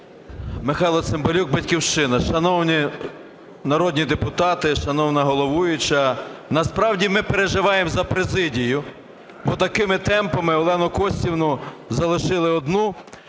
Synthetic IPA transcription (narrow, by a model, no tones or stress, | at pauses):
mɪxɑjlˠɐt̪sɪmbɐlʲuɡ̚bɐtʲkʲiwʃt͡ʃɪnɐʃɐnɔwnʲi | nɐɾɔd̪ʲnʲid̪epʊt̪ɑt̪ɪʃɐnɔwnɐɦɔlˠɔʋujʊt͡ʃɐnɐspɾɑwdʲimɪpeɾeʒɪʋɑjemzɐpɾezɪdʲijʊ | bɔt̪ɐkɪmɪt̪ɛmpɐmɪɔlˠɛnʊkɔsʲtʲiwnʊzɐlˠɪʃɪlˠɪɔd̪nu